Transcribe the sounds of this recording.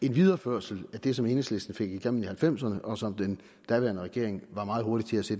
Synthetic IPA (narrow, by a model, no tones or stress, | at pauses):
e̝nʋið̞ˠɐføɐ̰sl̩æd̥e̝sɒ̽me̝nesle̝sd̥n̩fe̝ɡ̥iɡ̥em̰ːn̩ihælfem̰sɐnəʔɒ̽sɒ̽md̥en | d̥æʋæɐnəʁɛɡ̥e̝ɐ̰eŋʋɑ̈mɑ̈ːð̩ˠo̝ɐdi̥t͡sʰe̝læse̝ːd